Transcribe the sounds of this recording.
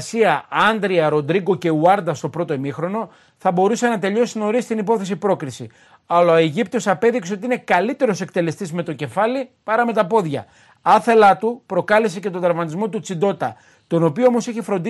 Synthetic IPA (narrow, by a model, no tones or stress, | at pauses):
siɐɐnd̪ɾiɐɾo̞nd̪ɾiɡo̞ce̞uɐɾd̪ɐst̪o̞pɾo̞t̪oemixɾo̞no̞ | θɐbo̞ɾuse̞nɐt̪e̞ʎo̞sino̞ɾist̪inipo̞θe̞sipɾo̞kɾisi | ɐlɐoeʝipt̪osɐpe̞ðikse̞ot̪iinekɐlit̪e̞ɾo̞se̞kt̪e̞le̞st̪izme̞t̪o̞ce̞fɐlipɐɾɐme̞t̪ɐpo̞ðʝɐ̰ | ɐθe̞lɐt̪upɾo̞kɐlese̞ce̞t̪od̪ɾvmɐt̪izmo̞t̪̬ut͡sid̪o̞t̪ɐ | t̪o̞no̞pioomo̞siçefɾo̞nd̪i